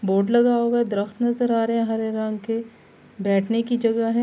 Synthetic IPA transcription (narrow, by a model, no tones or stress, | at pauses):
boːɾɖlɐɡaːoed̪ɾəxt̪nɐzəɾaːɾeɛ̃ɦɐɾeɾɐ̃ŋɡke | bɛːʈʰnekid͡ʒɐɡaɦɛ